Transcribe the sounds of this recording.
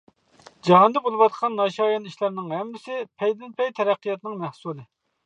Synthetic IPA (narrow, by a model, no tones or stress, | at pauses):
d͡ʒɑɦɑnd̪ɛbolˠɨwɑt̪̚qʰɑnːɑʃɑːjɑniʃlæɾnɪŋhɛmːɪsɪpʰɛjd̪ɪnpɛjt̪ʰɛɾæqʰːijɑt̪nɨŋmæhsulˠɨ